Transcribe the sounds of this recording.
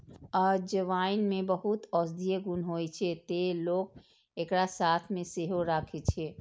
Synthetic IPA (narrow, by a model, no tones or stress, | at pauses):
ɔɾd͡ʒəʋainmebəɦut̪ɔsd̪ijeɡunɦojt͡ʃʰɛt̪elok̚ | ekɾasat̪ʰmeseɦoɾakʰɛt͡ʃʰɛ